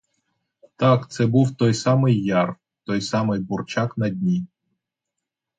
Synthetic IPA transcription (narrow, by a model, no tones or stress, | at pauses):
t̪ɑkt̪sɛbuwt̪ɔjsɑmɪjːɑr | t̪ɔjsɑmɪjbʊrt͡ʃɑknɐdʲnʲi